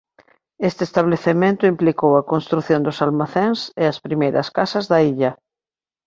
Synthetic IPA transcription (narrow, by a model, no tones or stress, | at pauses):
est̪est̪aβleθemẽnt̪ʊimplikowɐkõnst̪ɾuθjond̪ʊsalmaθeŋsɪɐspɾimejɾɐskasɐzðɐiʎɐ